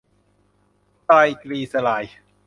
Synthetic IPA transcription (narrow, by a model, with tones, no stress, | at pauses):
t̪aː˧jkɾiː˧sa˧laː˩˦j